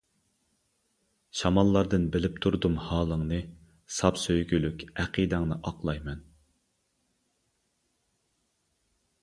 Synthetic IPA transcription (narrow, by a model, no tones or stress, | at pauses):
ʃɑmɑlˠːɑɾd̪ɨnbɪlɪp̚t̪ʰuɾd̪umhɑːlˠəŋnɨ | sɑpsøjɡʲylykʲæqid̪æŋnɨʔɑqlˠɑjmɛn